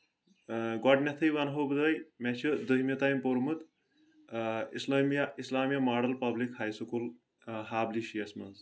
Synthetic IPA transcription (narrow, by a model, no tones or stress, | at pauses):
ɡɔɖnʲɐt̪ʰɐjʋɐnɦobd̪ɐjmɛt͡ʃʰid̪ɨɦimit̪aːjmpoɾmɨt̪ | islmjaislaːmijamaːɖɐlpɐblikhaːjsukul | ɦaːbliʃijɐsmɐnz